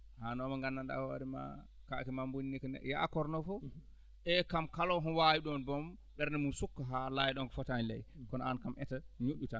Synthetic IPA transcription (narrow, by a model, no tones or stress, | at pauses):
hanɔmaŋɡanːanda̰wa̰ɾima̰ | kakɛmambuniniknɛ̰ja̰kɔɾnɔfɔ | ɛkamkalɔɦɔnwajiɗɔnbɔmdɛɾnɛmunsukːaɦalajɛɗɔnkɔfɔtanilɛ̰jkɔnɔankamʔɛtaɲoɗːutan